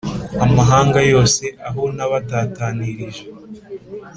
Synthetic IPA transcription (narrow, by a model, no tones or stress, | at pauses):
amaɦaːŋɡajo̞ːse̞ʔaɦonaβataːtaːniɾiʒe